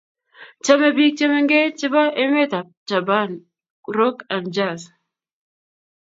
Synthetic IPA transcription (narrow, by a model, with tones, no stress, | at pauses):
t͡ʃa˦me˨bi˦k̚t͡ʃe˦me˦ŋɡe˦t͡ʃi˦ba˦ʔe˦me˦t̪a˨ | t͡ʃa˨ba˦n | ɾo˦ka˨nd͡ʒa˦˨s